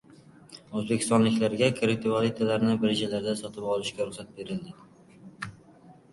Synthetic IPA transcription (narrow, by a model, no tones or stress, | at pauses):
ɵzbekʲɪ̥st̪ɒnlɪkʲlaɾɡʲakʰɾet̪ʰɪvalˠɪt̪ʰalaɾnɪbɪɾed͡ʒalaɾd̪asɒt̪ʰɪpɒlˠɪʃkʲaɾʊχsat̪̚be̞ɾɪld̪ɪ